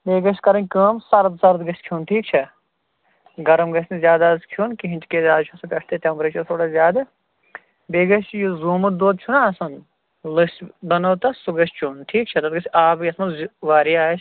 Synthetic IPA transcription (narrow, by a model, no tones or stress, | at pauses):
beːɡɐʃkɐɾɐ̃nʲkəːmsɐɾd̪sɐɾt̪ɡɐskʰjuːnʈʰiːk̚t͡ʃʰɐ | ɡɐɾɐmɡɐsʲnzʲjaːd̪askʰjuːnkiɦinʲt͡ʃ̪kezʲaːd̪t͡ʃʰusɐpʲɐʂʰt̪et̪ʲempɾeːt͡ʃɐɾt̪ʰoːɽazʲjaːd̪ɐ | beːɡɐʃjuzuːmɨd̪oːd̪̚t͡ʃʰunaːsɐn | lɨsbɐnɐwt̪ɐsuɡɐʃt͡ʃunʈʰiːk̚t͡ʃʰɐt̪ɐt̪ɡɐsʲaːbjɐsmɐʋaːɾijaːʃ